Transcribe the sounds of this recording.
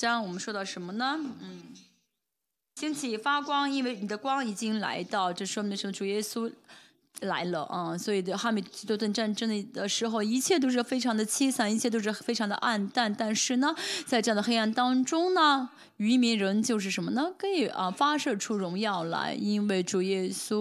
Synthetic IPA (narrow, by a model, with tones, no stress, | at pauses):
t͡ɕnwɔ˨˩mə˦nʂwɔ˥t̪ɑ˥˩ʊʂə˧˥nmə˧nə˩n̩˥˩ | t͡ɕi˥ŋt͡ɕʰi˨˩fa˥kwɑ˥ŋi˥nwe˥˩ɪni˨˩d̪ə˦kwɑ˥ŋi˨˩t͡ɕi˥ŋla̰˧˥ɪt̪ɑ˥˩ʊt͡ɕɤ˥˩ʂʂwɔ˥me˧˥ʂə˧˥m˧˩ʈ͡ʂu˨˩jɛ˥su˥ | la̰˧˥ɪlə̰˧ʔɐ˥˧swɔ˧˥i˨˩˧xa˥˩mi˥˩˥t̪o˥˧˥t̪ə˥˧nʈ͡ʂa˥˩nʈ͡ʂɤ˥ŋ˨˩d̪ə˩ʂɻ̩˧˥xo˧ʊi˧˥t͡ɕʰjɛ˥˩t̪̬o˥ʊʂ̬ɻ̩˥˩fe˥ɪʈ͡ʂʰɑ˧˥ŋd̪ə˧t͡ɕʰi˥sa˥˩ni˧t͡ɕʰjɛ˥˩t̪̬o˥ʊʂɻ̩˥˩fe˥ɪʈ͡ʂʰɑ˧˥ŋd̪ə̰˧ʔa˥˧nt̪a˥˩nt̪a˥˧nʂɻ̩˥˩nə˩t͡sa˥ɪʈ͡ʂɤ˥˧ɑ˥˧˩d̪ə˧xe˥a˥˩nt̪ɑ˥ŋʈ͡ʂʊ˥ŋnə˨ | y˧˥mi˧˥ŋɻə˧˥nt͡ɕjo˥˧ʊʂɻ̩˥˩ʂə˧˥nmə˧nə˨kɤ˧˥i˨˩ʔə˧fa˥ʂɤ˥˧ʈ͡ʂʰu˥ɻʊ˧˥ŋjɑ˥˩ʊlə̰˩i˥nwe˥˩ɪʈ͡ʂu˨˩jɛ˥su˥